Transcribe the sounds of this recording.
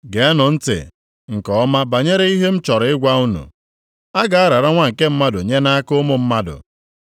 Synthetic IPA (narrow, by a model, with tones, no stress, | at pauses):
ɡe˨a˦nʊ˨n̩˦tɪ̰˨ | ŋ̩˨kɔ˨ɔ˦ma˦ba˨ɲe˦ɾe˦i˦ɦe˦m̩˦t͡ʃɔ˨ɾɪ˦ɡʷa˦u˦nṵ˨ | a˦ɡa˨a˦ɾa˨ɾa˦ŋʷa˦ŋ̩˨ke˦m̩˦ma˦dʊ˨ɲe˦na˦a˦kʊ˦mʊ˨m̩˦ma˦dʊ̰˨